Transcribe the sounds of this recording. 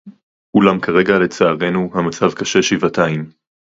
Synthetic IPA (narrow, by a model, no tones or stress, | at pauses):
kulamkʰaʁe̞ɡale̞t͡saːʁe̞nuhamat͡savkaʃe̞ʃivataim